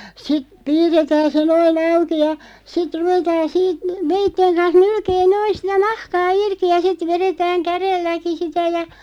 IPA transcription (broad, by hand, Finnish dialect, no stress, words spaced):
sit piːrːetæːn se noin ɑuki jɑ sit ruʋetɑːn siːt ʋeitːeŋ kɑns nylkeː noin̞ sitæ nɑhkɑː irki jɑ sit ʋeretæːŋ kærelːæki sitæ jɑ